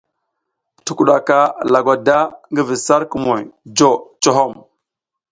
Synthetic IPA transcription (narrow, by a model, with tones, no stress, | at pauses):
tu˨ku˨ɗa˨ka˦la˨ɡʷa˨da˦ŋɡi˦vi˨sa˦ɾku˨mo˨jd͡ʒo˦˨t͡ʃo˨ɦo˦˨m